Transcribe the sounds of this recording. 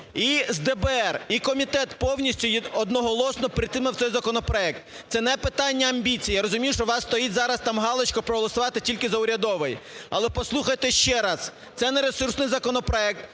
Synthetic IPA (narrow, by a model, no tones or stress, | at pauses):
izd̪ɛbɛɛrikɔmʲit̪ɛt̪pɔwnʲisʲtʲʊjɔd̪nɔɦɔlˠɔsnɔpɾɪt̪ɪmɪwt̪sɛjzɐkɔnɔpɾɔɛk̚t̪ | t̪sɛnɛpɪt̪ɑnʲːɐɐmʲbʲit͡sʲijaɾɔzʊmʲijʊʃt͡ʃɔʋɑsːt̪ɔjitʲzɑɾɐst̪ɑmɦɑlˠɪt͡ʃkɔpɾɔɦɔlˠɔsʊʋɑt̪ɪtʲilʲkɪzɐʊɾʲɐd̪ɔʋɪjɐlˠɛpɔslˠuxɐjt̪ɛʃt͡ʃɛɾɑz̥ | t̪sɛnɛɾesursnɪjzɐkɔnɔpɾɔɛk̚t̪